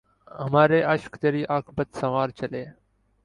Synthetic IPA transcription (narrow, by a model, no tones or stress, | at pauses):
ɦəmaːɾeːʔəʃkt̪eːɾiːʔaːkʰbət̪səʋaːɾt͡ʃəleː